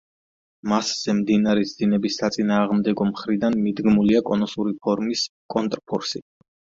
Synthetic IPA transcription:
masz̥ɛmd̪inaɾɛsd̪inɛbisːat̪sʼinaːʁmd̪ɛɡɔmχɾid̪anmid̪ɡmuliakʼɔnɔsuɾipʰɔɾmiskʼɔnt̪ʼɾpʰɔ̰ɾsi

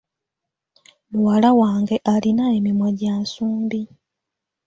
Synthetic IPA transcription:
luwalawaːŋɡe̞ʔalinae̞mimwoɟaːnsuːmbi

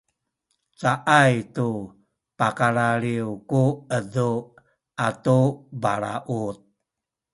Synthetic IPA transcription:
saʔajtu | pakaɭaɭiukuəðu | atubaɾa̰ʔut̪̚

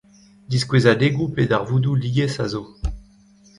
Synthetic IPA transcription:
d̪iskwezad̪eɡupedaʁvud̪ulijɛsazo

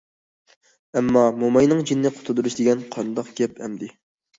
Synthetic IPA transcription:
ɛmːɑmomɑjnɨŋd͡ʒinːɪqʰʊ̥t̪ʰʊd̪uɾuʃd̪ɪɡʲɛnqʰɑnd̪ɑqɡʲɛpɛmd̪ɪ

